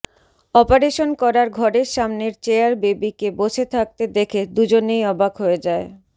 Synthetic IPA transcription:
ɔpaɾeʃonkɔɾaɾɡʱɔɾeɾʃamneɾt͡ɕeaɾbebikeboʃʰet̪ʰak̚t̪ed̪ekʰed̪ud͡ʑonejɔbakɦoed͡ʑae

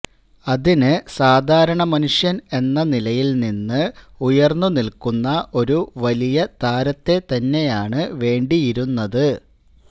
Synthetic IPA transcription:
ɐðinɨsaːd̪ʱaːɾɐɳɐmɐnuʂjɐne̞nːɐnilɐjilninːɨujɐrnːunilkunːɐʔo̞ɾuʋɐlijɐt̪aːɾɐt̪ːe̞t̪ɐnːe̞jaːɳɨʋe̞ːɳɖijiɾunːɐðɨ

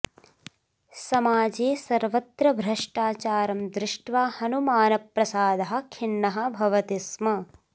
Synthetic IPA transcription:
sɐmaːd͡ʒeːsɐɾʋɐt̪ɾɐbʱɾɐʂʈaːt͡ʃaːɾɐmd̪ɾɪʂʈʋaːhɐnumaːnɐpɾɐsaːd̪ɐɦɐ̆kʰinːɐɦɐ̆bʱɐʋɐt̪ismɐ

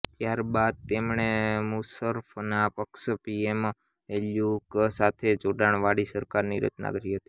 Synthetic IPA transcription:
t̪jaɾbad̪̚t̪emɳ̃emusəɾfnapəkʃpiem | eljuksat̪ʰed͡ʒoɖaɳ̃ʋaɽisəɾkaɾniɾə̰t͡ʃna̰kəɾiɦət̪i̥

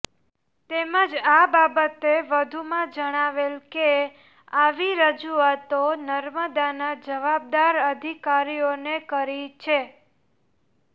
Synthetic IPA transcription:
t̪eməd͡ʒababət̪eʋəd̪ʱumãd͡ʒəɽ̃aʋelke | aʋiɾəd͡ʒuat̪onəɾməd̪anad͡ʒəʋab̚d̪aɾəd̪ʱikaɾionekəɾit͡ʃʰe

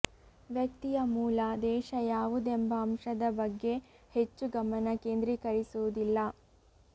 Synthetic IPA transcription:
ʋjɐk̚t̪ijɐmuːlɐd̪ɛːʃɐjaːʋud̪embɐːmʂɐd̪ɐbɐɡːe̞ | het͡ʃːuɡɐmɐnɐkeːnd̪ɾikɐɾisud̪ilːɐ

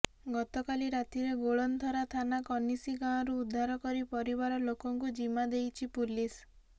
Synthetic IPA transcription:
ɡɔt̪ɔkaliɾat̪iɾeɡoɭɔnt̪ʰɔɾat̪ʰanakɔnisiɡãɔ̃ɾuːd̪ʱːaɾɔkɔɾipɔɾiβaɾɔlokɔŋkud͡ʒimad̪ejt͡ʃʰipulis

